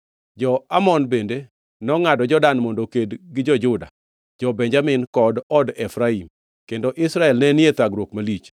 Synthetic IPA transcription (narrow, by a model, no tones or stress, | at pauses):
d͡ʒɔamɔnbende | nɔŋadɔd͡ʒɔdanmɔndokedɡɪd͡ʒɔd͡ʒʊda̰ | d͡ʒɔbɛɲd͡ʒamɪnkɔdɔdɛfɾaim | kendoʔɪsɾaɛlnɛnɪet̪aɡɾwokmalit͡ʃ